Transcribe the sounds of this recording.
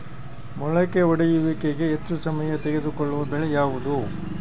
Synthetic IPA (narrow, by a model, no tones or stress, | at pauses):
mɔɭɐkːeɔɽɐjuʋikeɡeːt̪ːusɐmɐjɐt̪eɡe̞d̪ukɔɭːuʋɐbɛɭejaːʋud̪u